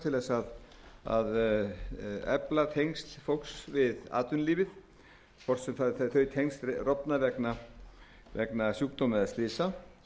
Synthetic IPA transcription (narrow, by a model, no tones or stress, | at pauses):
t̪ʰɪlvɛsaða̰ð | ɛ̰plat̪ʰejŋst̪lfowksvɪða̰ːt̪ʏnliːvɪð | kʰɔr̥t̪sɛmθaðɪθθœɥt̪ʰejŋst̪rɔpnavɛkna | vɛ̰knasjuːk̚t̪omɪðast̪ɪːsa